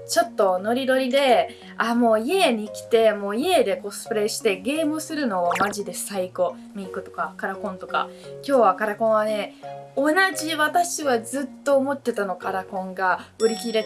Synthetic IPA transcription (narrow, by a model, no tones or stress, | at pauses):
t͡ɕo̞t̪ːo̞no̞ɾʲid̪o̞ɾʲid̪e̞ | amo̞ːie̞ɲ̟ikʲi̥t̪e̞mo̞ːie̞d̪e̞ko̞sɨ̥pɯɾe̞ːɕi̥t̪e̞ɡe̞ːmɯ̟sɨɾɯ̟no̞ːmaʑid̪e̞saiɡo̞ | mʲikɯ̟t̪o̞kakaɾakõ̞nt̪o̞ka̰ | kʲo̞ːβakaɾakõ̞ɰ̃β̞ane̞o̞naʑiβat̪aɕiβazɨt̪ːo̞ːmo̞t̪ːe̞t̪ano̞kaɾakõ̞ŋɡaɯ̟ɾʲikʲiɾe̞